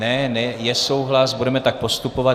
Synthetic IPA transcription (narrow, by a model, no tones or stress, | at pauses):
nɛnɛjɛso̞wɦlasbudɛmɛt̪ak̚po̞st̪upo̞va